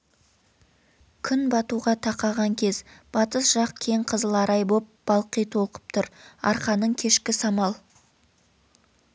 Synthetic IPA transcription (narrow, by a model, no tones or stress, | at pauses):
kʲʰʏnbɑt̪uʁɑt̪ʰɑqɑʁɑŋkʲʰe̞zb̥ɑt̪əsʒ̥ɑq̚kʲʰeɴqʰəzəlˠɑɾʔɑjbop̚b̥ɑlˠqijt̪ʰo̞lˠqə̥p̚t̪ʰʊɾɑ̰ɾqɑnəɴkʲʰe̞ʃkʲɪsɑmɑlˠ